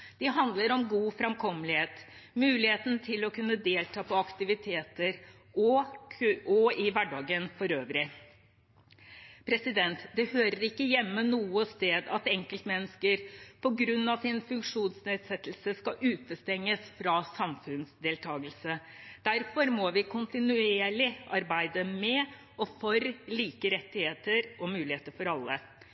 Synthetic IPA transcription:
d̪̥ɪɦɑnd̪ləɾɔmɡuːfɾɛmkʰɔmlɪheːt̪mʉːlɪheːt̪n̩t̪ʰɪlɔkʉnːəd̪eːlt̪ʰɑːpʰɔɑkt̪ɪʋɪt̪ʰeːt̪əɾ | ɔ | ɔɪʋæɖɑːɡənfɔɾøːʋɾɪ | pʰɾɛsɪd̪ɛnt̪d̪ɛhøːɾəɾɪkːəjɛmːənuːəst̪eːd̪ɑt̪ɛŋkəlt̪mɛnːəskəɾpʰɔɡɾʉnːɑsɪnfʉŋkʂuːnsneːd̪sɛt̪ːl̩səskɑʔʉːt̪əst̪ɛŋːəsfɾɑsɑmfʉnsd̪eːlt̪ʰɑːɡəlsə | d̪̥æɾfɔɾmɔʋɪkʰʊnt̪ɪnʉeeːɭɪʔɑɾbæɪd̪əmɛ | ɔfɔɾliːkəɾɛt̪ːɪheːt̪əɾʔɔmʉːlɪheːt̪əɾfɔɾɑlːə

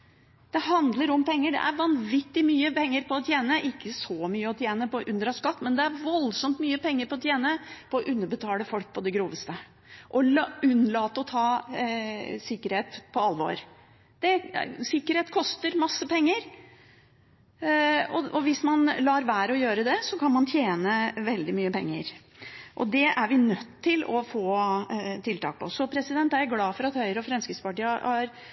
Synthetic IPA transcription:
d̪̥ɛhɑnd̪ləɾɔmpɛŋːəɖɛ̰ʔæɾʋɑnʋɪt̪ːɪmyːəpʰɛŋːəɾpɔt̪ʰjeːnəʔɪkːəsɔmyːəɔt̪ʰjeːnəpɔʔʉnd̪ɾɑskɑt̪ːmɛnd̪ɛæɾʋɔlsɔmt̪myːəpʰɛŋːəɾpɔt̪ʰjeːnəpʰɔɔʔʉnːəɾbət̪ʰɑːləfɔlk̚pʰɔd̪ɛɡɾuːʋəst̪ə | ʔɔʉnːlɑːt̪əɔt̪ʰɑː | sɪkːəɾheːt̪pʰɔɑlʋo̰ːɾ | d̪̥ɛsɪkːəɾheːt̪kʰɔst̪əɾmɑsːəpʰɛŋːəɾ | ɔɔʋɪsmɑnlɑːɾʋæːɾəɔjøːɾəd̪ɛsɔkʰɑnmɑnt̪ʰjeːnəʋɛld̪ɪmyːəpɛŋːəɾ | ʔɔ̰d̪ɛæɾʋɪnœt̪ʰːɪlɔfoːt̪ʰɪlt̪ɑ̰ːk̚pʰɔsːɔpʰɾɛsɪd̪ɛnt̪ææɾɡlɑːfɔɾɑt̪hœʏɾəɔfɾɛmskəspɑʈiːəhɑɾ

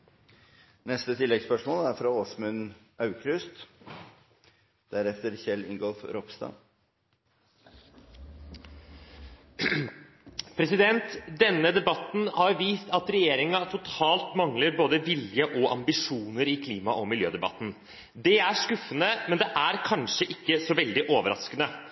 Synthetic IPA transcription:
nɛst̪ət̪ʰɪlːɛɡspœʂmoːlæɾfɾɑoːsmʉn | ɑʉkʰɾʉst̪ | d̪̥æɾɛft̪əɾçɛlːɪ̰ŋɡɔlfɾɔpst̪ɑ̰ | pʰɾɛsɪd̪ɛnt̪d̪ɛnːəd̪ɛbɑt̪n̩hɑɾʋiːst̪ɑt̪ɾɛjeːɾɪŋɑt̪ʰʊt̪ʰɑːlt̪mɑŋləɾboːd̪əʋɪljəʔɔʔɑmbɪʂuːnəɾɪkʰliːmɑʔɔmɪljø̰ːd̪ɛbɑ̰t̪n̩ | d̪ɛæʂkʉfːənəmɛnd̪ɛʔæɾkʰɑnʂəʔɪkːəsɔʋɛld̪ɪʔoːʋəɾɑ̰skənə

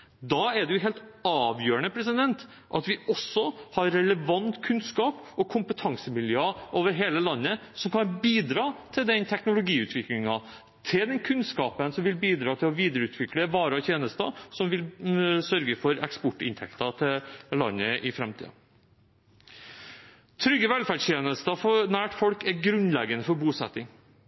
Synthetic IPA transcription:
d̪ɑɛɖɛjʊɦeːlt̪ɑːʋjøːəɳəpʰɾɛs̬ɪd̪ɛnt̪ | ʔɑt̪ʋɪʔɔsːɔhɑɾːɛləʋɑnt̪kʰʉnskɑːp | ɔkʰʊmpət̪ʰɑŋsəmɪljøːʔoːʋəɾɦeːləlɑnːəsɔmkʰɑnbiːd̪ɾɑːt̪ʰɪld̪ɛnt̪ʰɛknʊlʊɡiːʉːt̪ʰʋɪklɪŋɑ | t̪ʰɪld̪ɛnkʰʉnskɑːpənsɔmʋɪlbiːd̪ɾɑːt̪ʰɪlɔʋiːd̪əɾʉːt̪ʰʋɪkləʋɑːɾəɔt̪ʰjeːnəst̪ɑsɔmʋɪlsœɾɡəfɔɾɛkspɔʈːɪ̰nt̪ʰɛ̰kt̪ɑt̪ʰɪllɑ̰nːəʔɪfɾɛmt̪ʰḭːɑ̰ | t̪ʰɾʏɡːəʋɛlfæɖʂt̪ʰjeːnəst̪ɑfɔnæːʈfɔlkɛɾɡɾʉnlɛɡənəfɔɾbuːsɛ̰t̪ːɪŋ

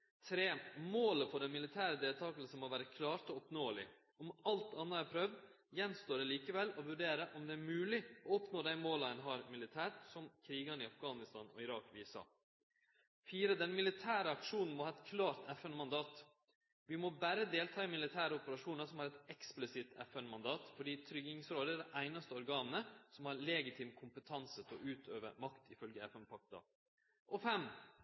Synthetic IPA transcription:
t̪ʰɾeːmoːləfʰɔɖɛnmɪlɪt̪ʰæːɾəd̪eːlt̪ʰɑːklsənmoʋæːɾəkʰlɑːɾʈ̪ɔɔpnoːlɪ̰ | ɔmɑlt̪ɑnːəæɾpʰɾœʋd̪ | jɛnst̪oːɖɛliːkəʋɛlːɔʋʉɖeːɾəʔɔmd̪ɛːæɾmʉːlɪɔɔpnoːd̪æɪmoːlɑənɦɑːɾmɪlɪt̪ʰæːʈsɔmkʰɾiːɡɑnɪɑfɡɑːnɪst̪ɑ̰ːnɔ̰ɪɾɑːkʋiːsɑ̰ː | fiːɾəd̪ɛnmɪlɪt̪ʰæːɾəɑkʂuːnn̩mɔhɑːɛt̪kʰlɑːɾt̪ʰɛfɛnmɑnd̪ɑːt̪ | ʋɪmɔbæɾəd̪eːlt̪ʰɑːɪmɪlɪt̪ʰæːɾəɔpəɾɑʂuːnəsɔmhɑːɾɛt̪ɛksplɪsɪt̪ʰɛfɛnmɑnd̪ɑːt̪fɔɖiːt̪ʰɾʏɡɪŋsɾoːd̪əæɖ̪æʔæɪnɑst̪əɔɾɡɑːnnəsɔmhɑːɾlɛɡɪt̪ʰɪmkʰʊmpət̪ʰɑnsət̪ʰɔʔʉːt̪ʰøːʋə̰mɑkt̪ʰɪfœlɡəɛfɛnpʰɑk̚t̪ɑ̰ | ʔɔfɛm

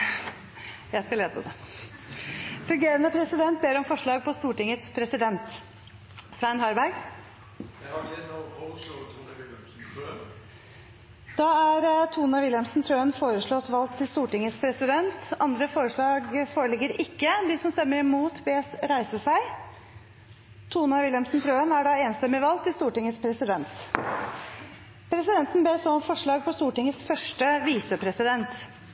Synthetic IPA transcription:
jæɪskɑleːd̪əə̰d̪ɛ | fʉŋɡeːɾənəpʰɾɛsɪd̪ɛnt̪̚beːɾɔmfɔʂɭɑːɡ̚pʰɔst̪uːʈɪŋət̪spʰɾɛsɪd̪ɛnt̪ | sʋænɦɑɾbæɾɡ | d̪̥ɑːæɾt̪ʰuːnɑʋɪljɛmsnt̪ʰɾøːnfoːɾəʂɭɔt̪ʋɑlt̪ʰːɪlst̪uːʈɪŋət̪spʰɾɛsɪd̪ɛnt̪ɑnd̪ɾəfoːɾəʂɭɑːɡfoːɾəɭɪɡːəɾɪkːəd̪ɪsɔmst̪œmːəɾɪmuːt̪beːsɾæɪsəsæɪ | t̪ʰuːnɑʋɪljɛmsn̩t̪ʰɾøːənæɖɑːeːnst̪ɛmːɪʋɑlt̪ʰɪlst̪uːʈɪŋːət̪spʰɾɛsɪd̪ɛnt̪ | pʰɾɛsɪd̪ɛnt̪n̩beːsɔɔmfɔʂɭɑːɡ̚pʰɔst̪uːʈɪŋətsfœʂʈəʋiːsəpʰɾɛsɪd̪ɛnt̪

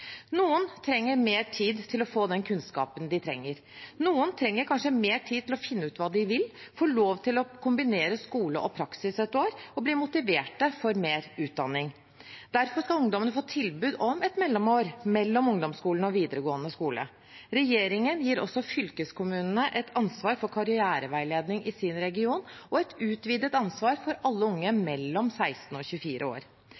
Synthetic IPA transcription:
nuːənt̪ʰɾɛŋːəɾmeːʈʰiːd̪t̪ʰɪlɔfoːd̪ɛnkʰʉnskɑ̰ːpənd̪ɪt̪ʰɾɛ̰ŋːəɾ | nuːənt̪ʰɾɛŋːəɾkʰɑnʂəmeːʈʰiːd̪t̪ɪlɔfɪnːəʉːt̪ʋɑːd̪ɪʋɪlfoːɭoːʋt̪ʰɪlɔkʰʊmbɪneːɾəskuːləʔɔpʰɾɑksɪsɛt̪ːoːɾɔbliːmʊt̪ɪʋeːʈəfɔɾmeːɾʉːt̪̚d̪ɑnːɪŋ | d̪̥æɾfɔʂkɑlʊŋd̪ɔmənəfoːt̪ʰɪlbʉːd̪ɔmɛt̪mɛlːɔmoːɾmɛlːɔmʊŋd̪ɔmskuːln̩ɔʋiːd̪əɾəɡoːənəskuːlə̰ | ɾɛjeːɾɪŋənjiːɾɔ̰sːɔfʏlkəskʊmʉːnənəʔɛt̪ʰɑnsʋɑːɾfɔɾkʰɑɾɪæːɾəʋæɪleːd̪nɪŋʔɪsɪnɾɛɡɪuːnɔɛt̪ʉːt̪ʋiːd̪ət̪ɑnsʋɑːɾfɔɾɑlːəʊŋːəmɛlːɔmsæɪst̪n̩ɔːçʉfiːɾʔəo̰ːɾ

